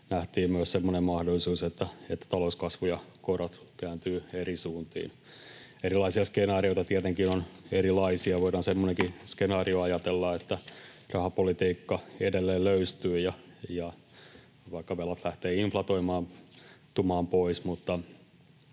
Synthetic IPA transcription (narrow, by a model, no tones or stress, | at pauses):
næht̪iːmmyøssemːonemmɑhdolːˑisuːset̪ːæet̪ːæ̥t̪ɑlouskɑsʋujɑkorot̪ | kæːnt̪yːerisuːnt̪ḭːn | eɾilɑisiɑskenɑːrioit̪ɑt̪iæt̪eŋkinoneɾilɑisiɑʋoiɾɑnsemːoneŋkiskenɑːrioɑjɑt̪elːɑet̪ːæ | rɑhɑpolit̪iːkːɑedelːeːlløyst̪yːjɑjɑ | ʋɑikːɑʋelɑt̪læht̪eːiɱflɑt̪oimɑːmt̪umɑːmpoismut̪ːɑ